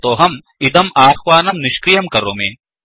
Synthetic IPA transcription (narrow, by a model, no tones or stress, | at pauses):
t̪oːɦɐm | id̪ɐmaːxʋaːnɐmnɪʃkɾijɐmkɐɾoːmeːn